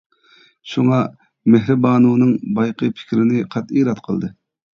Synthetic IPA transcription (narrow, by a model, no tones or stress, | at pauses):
ʃuŋɑ | meɦɾɪbɑːnuːnɨŋbɑjqʰəpʰɪ̥kʲɾɪnɪqʰɑt̪iːɾɑt̪qʰə̰lˠd̪ɨ